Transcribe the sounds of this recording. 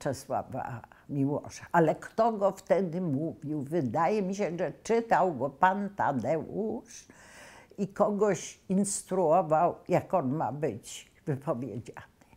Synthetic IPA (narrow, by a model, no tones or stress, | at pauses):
t͡ʂɛswa̰va̰mʲiwɔ̰ʂaʔalɛkt̪ɔɡɔft̪ɛd̪ɘmuvʲiwvɘd̪ajɛmʲiɕɛʐɛt͡ʂɘt̪awɡɔpant̪a̰d̪ɛuʂ | ikɔɡɔɕinst̪ɾuɔvawjakɔnma̰bɘt͡ɕ | vɘpɔvʲjed͡ʑanɪ̥